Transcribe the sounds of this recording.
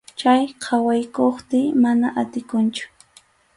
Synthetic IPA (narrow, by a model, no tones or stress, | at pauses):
t͡ʃajqʰɑwajkoχt̪ɪmanaʔat̪ɪkʊnt͡ʃʊ̥